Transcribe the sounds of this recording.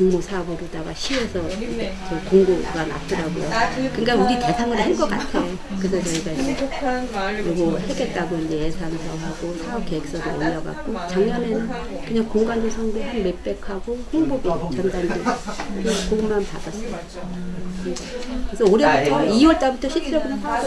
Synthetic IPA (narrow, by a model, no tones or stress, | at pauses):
koŋmosʰaɡoɾodaɡa̰ɕʰiesʰʌt͡ɕʌkoŋɡoɡana̰p̚t͈ʰɯɾaɡo̰jokɯŋk͈auɾite̞sʰaŋɯɾhankʌk͈a̰tʰejo | kɯsʰʌt͡ɕʌiɡai | kɯɾiɡoheɡe̞t̚t͈aɡoind͡ʑejesʰansʰʌɦaɡosʰɯɡokeek̚s͈ʌɾɯɭʌʎːʌɡa̰k̚k͈ot͡ɕaŋɲʌnenɯn | kɯɲaŋkoŋɡandosʰʌŋdeɦanme̞p͈e̞kʰaɡohoŋboɡit͡ɕʌndandekɯɲaŋkoɡɯmmanpa̰das͈ʌjo | kɯŋɡakesʰʌoɾjʌbatʰʌiwʌɭt͈abutʰʌɕʰitʌɡɯ